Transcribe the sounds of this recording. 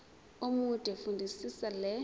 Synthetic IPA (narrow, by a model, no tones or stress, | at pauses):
omutʼɛfundʱisisalɛ